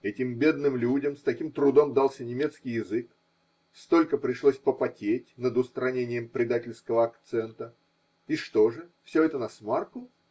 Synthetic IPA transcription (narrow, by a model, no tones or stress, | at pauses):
ɛtʲɪmbʲe̞d̪nɨmlʲudʲəmst̪ɐkʲimt̪ɾʊd̪o̞md̪alˠsʲənʲɪmʲe̞t̪skʲɪjɪzɨk | st̪o̞lʲkəpɾʲɪʂlˠosʲpəpɐtʲetʲnəd̪ʊst̪ɾɐnʲenʲɪjəmpɾʲɪd̪atʲɪlʲskəvəɐkt̪sɛnt̪ə | iʂt̪o̞ʐɨfsʲɵɛt̪ənɐsmarkʊ